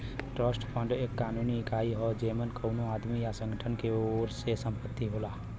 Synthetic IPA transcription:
ʈɾəːsʈpʰə̃ɳɖeːkːaːnuːnikaːiɦɔd͡ʒeːmənkəʊnoaːd̪mijasə̃ŋɡʱəʈʰənkeoːɾsesə̃mpət̪ːiɦoːlaː

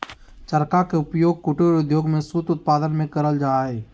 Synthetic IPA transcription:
t͡ʃəɾkakeʊpjoːɡ̚kʊʈuɾʊd̪ʱjoːɡmẽsuːt̪ʊt̪̚paːd̪ənmẽkəɾəld͡ʒaːɦɛː

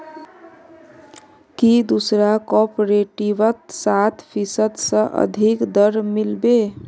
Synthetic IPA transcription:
kid̪usɾakɔpoɾeʈibət̪sat̪pʰisəd̪sə̃ʔə̰d̪ʱikd̪əɾmilbe

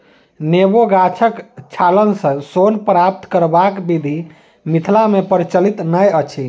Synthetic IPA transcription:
neboɡat͡ʃʰəkt͡ʃʰalənsə̃sonpɾap̚t̪kəɾbakbid̪ʱi | mit̪ʰlamepəɾit͡ʃəlit̪nəjət͡ʃʰi

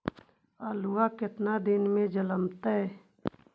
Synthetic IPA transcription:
aːluakɪt̪nad̪ɪnmẽd͡ʒələmt̪ɛ

